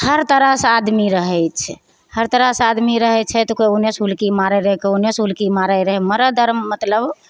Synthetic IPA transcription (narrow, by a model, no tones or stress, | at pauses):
həɾt̪əɾasad̪miɾəɦɛjt͡ʃʰɛ | həɾt̪əɾasad̪miɾəɦɛt͡ʃʰɛt̪ɔkounesɦulkimaɾɛɾəɦɛkeunesɦulkimaɾəɾəɦɛməɾəd̪əɾmːət̪ləb